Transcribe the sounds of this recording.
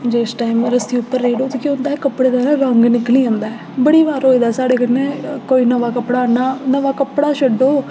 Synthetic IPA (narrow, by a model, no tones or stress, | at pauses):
d͡ʒeːsʈaːɪməɾəst̪iːʊpːəɾːeːɽoːt̪iːkɪʊnd̪aːɛːkəpːɽeːd̪aːɾãːɾɔ̃ːŋɡnɪkliːɦõːnd̪aːɛ | bəɽiːʋaːɾɦoːiːd̪aːsaːɽeːkənẽːkoːiːnəʋaːkəpɽaːnaːnəʋaːkəpɽaːʃəɖoː